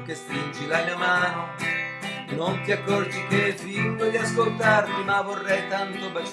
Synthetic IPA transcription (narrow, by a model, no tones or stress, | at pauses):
kest̪ɾind͡ʒilamiamaːno | nont̪iakːɔrd͡ʒit̪efilːod̪iaskolt̪art̪umavorːɛjt̪ant̪obat͡ʃ